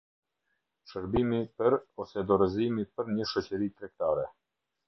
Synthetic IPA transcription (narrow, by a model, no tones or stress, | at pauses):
ʃəɾbimipəɾɔsɛd̪ɔɾəzimipəɾɲəʃɔt͡ɕəɾit̪ɾɛk̚t̪aɾɛ